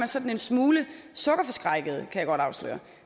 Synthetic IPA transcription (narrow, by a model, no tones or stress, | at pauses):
mænsɒ̽d̥n̩e̝nsmuːləsɔ̽ɡ̥ɐfɒ̽sɡ̥ʁɑ̈ɪɡ̥əð̞̩ˠəkʰæjɑ̈ɡ̥ɒ̽ɾ̥ɑ̈ʊslø̰ːɐ